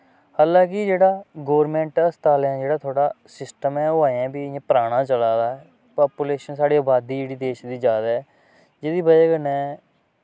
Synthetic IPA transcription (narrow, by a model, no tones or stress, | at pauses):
haːlãːkɪd͡ʒeːɽaːɡoːʋɾmɛ̃ːɳʈːst̪aːljãːd͡ʒeːɽaːt̪ʰoːɽaːsɪsʈəmɛːoaːɛ̃ːbiːãːpɾaːɽ̃ãːt͡ʃəlaːd̪aːɦɛː | paːpuleːʃənsaːɽeːaːbaːd̪iːd͡ʒeːɽiːd̪eːʃd̪iːd͡ʒaːd̪ɛː | d͡ʒeːd̪iːbəd͡ʒːɡənɛ̃ː